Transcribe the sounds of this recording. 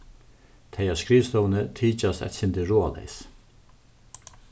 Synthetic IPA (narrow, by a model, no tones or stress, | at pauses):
t̪ʰejaskɾiːst̪ɔwnət̪ʰiːt͡ʃast̪ɛ̰t̪sɪnt̪ɪɾoːa̰lɛ̰js